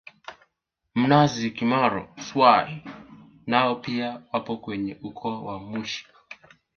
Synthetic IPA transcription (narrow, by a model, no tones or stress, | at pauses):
m̩nazikimaɾɔ̰swai | naɔpiawapɔkwɛɲɛʔukʰɔwamuʃi̥